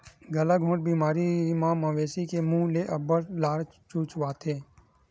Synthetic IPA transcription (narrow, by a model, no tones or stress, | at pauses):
ɡəlaɡʱõːʈ̚biːmaːɾimãːmə̃ʋeːsikemũːleːʔəbəɾlaːɾ | t͡ʃuːt͡ʃʋaːt̪ʰeː